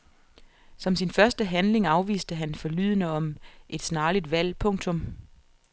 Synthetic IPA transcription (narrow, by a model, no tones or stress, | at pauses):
sɒ̽msinfɶɐsd̥əɦænle̝ŋɑ̈ʊʋḭːsd̥əɦænfɒ̽ly̰ðˠnəɒ̽mʔe̝d̥snɑ̈ːlid̥ʋæl̰pʰɔ̽ŋ̰t͡sʰɔ̽m